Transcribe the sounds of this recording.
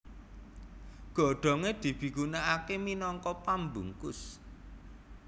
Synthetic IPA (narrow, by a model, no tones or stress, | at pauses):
ɡ̥ɔ̤ɖ̪̥ɔ̤ŋed̪̥i̤b̥i̤ɡunaakeminɔŋkɔpambuŋkʊs